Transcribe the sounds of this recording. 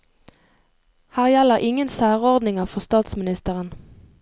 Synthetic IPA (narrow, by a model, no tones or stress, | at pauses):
hæːʁjæləʁʔɪŋənsæːʁɔʁd̪nɪŋəʁfɔʁst̪ɑːt̪smɪnɪst̪əʁən